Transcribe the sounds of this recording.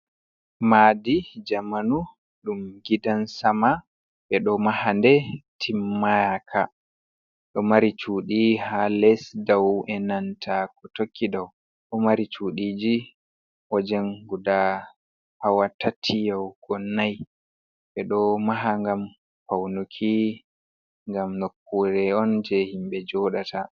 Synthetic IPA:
maːdid͡ʒamanu | ɗumɡidansama | ɓɛɗɔmahandɛtʰimːajakʰa | ɗɔmaɾit͡ʃuɗihalɛsdawʔɛnantʰak̚ɔtokʰːidaw | ɗɔmaɾit͡ʃuːɗid͡ʒi | ʔɔd͡ʒɛŋɡuda | hawatːatʰijawɡ̥ɔnːaj | ɓɛɗɔmaɦaŋɡam | pawnukʰi | ŋɡamnokːuɾɛɔnd͡ʒɛhimɓɛd͡ʒɔɗatʰa

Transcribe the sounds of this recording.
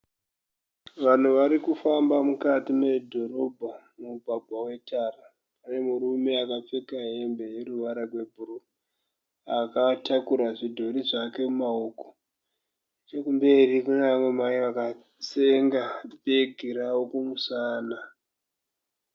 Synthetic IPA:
ʋan̤uʋaɾikufambamukatime̞dʱo̞ɾo̞bʱa | muuɡʱaɡʱwawe̞tʰaːra | pane̞muɾume̞akap͡fekaɦe̞mbe̞jeɾuʋaɾarwe̞bʱuɾu | akatakuɾaʐidʱo̞ɾiʐake̞mumaoko̥ | t͡ʃekumbe̞rikuneamwe̞maiʋaka | seŋɡabeɡʱiɾaokumusaːna

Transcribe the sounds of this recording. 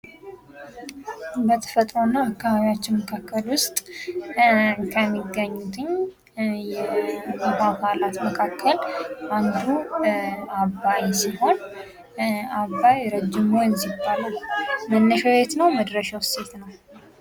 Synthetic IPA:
bət̪ʰə̥fət̪ʼɾo̞nːaməkʰːəβaβijat͡ʃːɪnməkʰakʰːəlwʊst̪ʼ | kʰəmːiɡːəɲːut̪ʰɨɲ | jɛahakʰalat̪məkʰakʰːəland̪u | abːajsiho̞n | aβːajɾəd͡ʒːɪmojnzibːalalmənːəʃawet̪nəwməd̪ɾəʃawse̞t̪nəw

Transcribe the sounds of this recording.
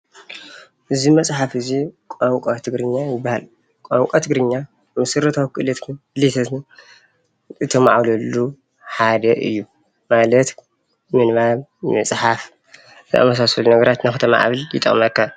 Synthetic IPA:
ʔɨzimɐsʼħafɨzikʼoŋkʼot̪ʰɨɡɾɨɲːajɪbːahal | kʼoŋkʷʼat̪ʰɨɡɾɨɲːa | mɐsɨɾɐt̪ʰawkʰɨʔlɐt̪ɨlit̪ʰɐt̪ | ʔɨt̪ʰɐma̰ʕβlɐlːu | ħad̪ɐʔɨ̰jːu | malɐt̪ | mɨnβaβmɐt͡sʼħaf | zʔa̰mɐs̬asɐlunɐɡɐɾat̪nɨkxɨt̪ʰɐma̰ʔa̰βɨljɪ̰t̪ʼɐ̰χʼmɐkːa

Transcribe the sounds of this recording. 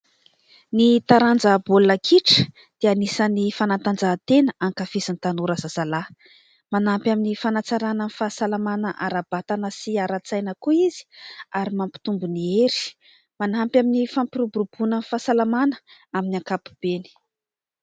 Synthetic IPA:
nit̪aɾand͡zabolnakʰiʈ͡ʂə̥ | d̪̥eanisənifanat̪and͡zat̪enəʔaŋkafizanit̪anuɾazazala | manampjaminifanat͡saɾanənifasalamanəʔaɾabat̪anəsiaɾat͡sajnəkuizi̥aɾimampi̥t̪umbunieɾi̥ | manampjaminifampiɾubuɾub̥unənifasalamanə̥aminaŋkapu̥b̥eni̥

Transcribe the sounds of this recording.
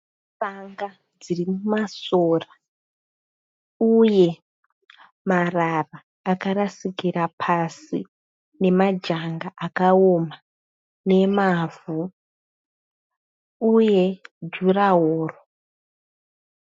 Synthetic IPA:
baŋɡa | d͡zirimumasoːra | uje̞ | mararaː | kaɾasikirapʰasḭ | ne̞mad͡ʒaŋɡaʔakaoma | ne̞mavu | uje̞d͡ʒuraɦoːro

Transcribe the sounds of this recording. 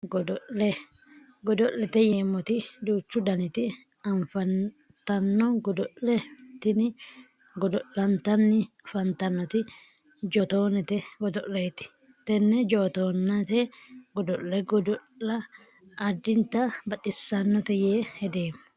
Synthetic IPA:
ɡɔd̪ɔʔlɛ | ɡɔd̪ɔʔːɛt̪ɛjeːmːɔt̪ɪd̪uːt͡ʃːʊd̪ɐnɪt̪ɪ | ɐɱfɐn | t̪ɐnːɔɡɔd̪ɔʔːɛt̪ɪnɪ | ɡɔd̪ɔʔɐnt̪ɐnːɪ | fɐnt̪ɐnːɔt̪ɪ | d͡ʒɔt̪oːnɛt̪ɛɡɔd̪ɔʔlɛt̪ɪ̥ | t̪ɛnːɛd͡ʒoːt̪oːnːɐt̪ɛɡɔd̪ɔʔɛɡɔd̪ɔlːɐ | ɐd̪ːɪnt̪ɐbɐt̪ʼːɪsːɐnːɔt̪ɛjeːhɛd̪eːm

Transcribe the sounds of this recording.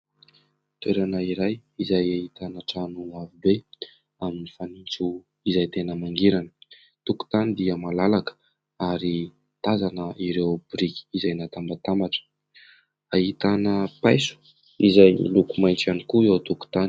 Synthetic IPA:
t̪weɾanəiɾajizajaɦit̪anəʈ͡ʂanuavibe | aminifanint͡su | izajt̪enəmaŋɡiɾanə̥ | t̪uku̥t̪anid̪iəmalalakə̥ | aɾi | t̪azanəʔiɾewbuɾikʲi̥izajnat̪ambat̪ambaʈ͡ʂə̥ | aɦit̪anəpajsu̥ | izaj̰lukumajnt͡sanikuiowt̪uku̥t̪an

